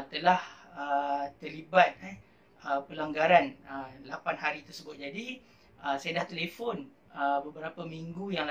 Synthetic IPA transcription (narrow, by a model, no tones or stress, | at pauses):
t̪əlahət̪ərlibat̪̚a | əpəlaŋɡaɾanəlapanɦaɾit̪ərsəbʊt̪̚d͡ʒadi | əsajədaht̪elefɔn | əbəbəɾapəmiŋɡujaŋl